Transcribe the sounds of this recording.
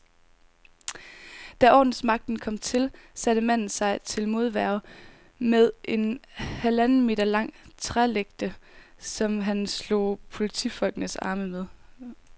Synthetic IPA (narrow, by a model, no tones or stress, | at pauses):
d̥æʔɒ̰ːd̥n̩smɑ̈ɡ̥̚d̥n̩kʰɒ̽m̰t͡sʰe̝lsæɾ̥əmæn̰n̩sɑ̈ɪt͡sʰe̝lmo̝ð̞ˠʋæɐʊ | meðˠʔe̝nhælæn̩me̝̰ːdɐlɑ̈ŋ̰t͡sʰʁaleɡ̥̚d̥əsɒ̽mɦænslo̰pʰo̝lit͡sʰḭfɒ̽l̰ɡ̥ənəsɑ̰̈ːməmeðˠ